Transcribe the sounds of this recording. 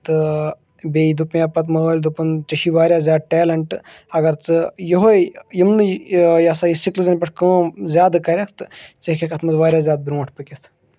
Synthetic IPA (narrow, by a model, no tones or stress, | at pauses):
t̪ɨ | beːid̪upjãːpɐt̪mɐːɐːlʲd̪upunt͡ʃɐʃiʋaːɾjaːzʲaːd̪̚ʈeːlɐɳʈɨ | ɐɡɐɾt͡sɨjoɦojjimnɨjɐsajisiklɨzɐnʲpɐʈʰkə̃ːzʲjaːd̪kɐɾʲɐkʰt̪ɨt͡sekʰekɐt̪ʰmɐzʋaːɾʲjaːzjaːd̪̚bɾũːʈʰpɨkʲit̪ʰ